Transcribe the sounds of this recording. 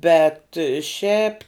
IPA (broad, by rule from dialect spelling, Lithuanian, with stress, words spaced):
ˈbʲɛt ˈʃʲɛp